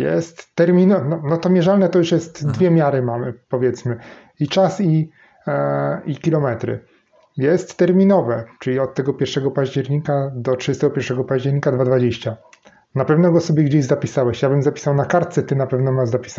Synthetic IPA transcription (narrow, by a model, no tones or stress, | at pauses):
jɛ̰st̪ːɛɾmʲinɔnɔnɔt̪ɔmʲjɛʐalnɛt̪ɔjuʂjɛst̪d̪vʲjɛmʲjaɾɘmamɘpɔvʲjɛt̪smɘ | it͡ʂasi | ikʲilɔmɛt̪ɾɘ̰ | jɛst̪ːɛɾmʲinɔvɛt͡ʂɘlʲiɔt̪ːɛɡɔpʲjɛɾʂɛɡɔpaʑd͡ʑɛɾɲikad̪ɔtʂɨd͡ʑɛst̪ɛɡɔpʲjɛɾʂɛɡɔpaʑd͡ʑɛɾɲikad̪vad̪vad͡ʑeɕt͡ɕa | napɛvnɔɡɔsɔbʲjɛɡd͡ʑeʑzapʲisawɛɕjabɘmzapʲi̥sawnakaɾt̪t̪sɛt̪ɘnapɛvnɔmazapʲi̥sa